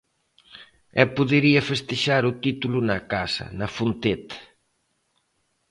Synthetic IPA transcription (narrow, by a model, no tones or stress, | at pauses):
ɛpuðeɾiɐfest̪eʃaɾut̪it̪ulunɐkasɐ̰nɐfunt̪et̪